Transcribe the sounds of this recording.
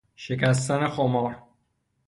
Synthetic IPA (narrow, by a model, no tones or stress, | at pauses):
ʃekæs̬t̪ænexomɒːɾ